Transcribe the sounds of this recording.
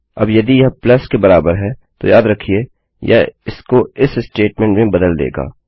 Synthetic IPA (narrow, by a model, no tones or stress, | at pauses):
ɐ̰bjɐd̪ijɐɦplɐskebɐɾaːbəɾɦɛt̪o̰jaːd̪ɾɐkʰieː | jɐ̰ɪskoɪsɪsʈeːʈmẽːɳʈmʱĩbɐd̪əld̪ḛːɡa̰ː